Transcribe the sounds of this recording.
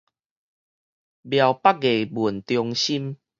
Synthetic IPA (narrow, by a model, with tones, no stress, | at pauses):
bja˨wpa˦k̚ɡe˨˩bu˨˩nt̪jɔ˧ŋɕi˦m